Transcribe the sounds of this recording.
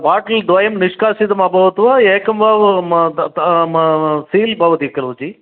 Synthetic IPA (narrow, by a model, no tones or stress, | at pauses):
baːʈɐld̪ʋɐjɐmniʂkaːsid̪ɐmɐbʱɐʋɐt̪ʋaeːkɐmʋaːʋ̪ | siːlbʱɐʋɐt̪ikɐɾʋɐd͡ʒi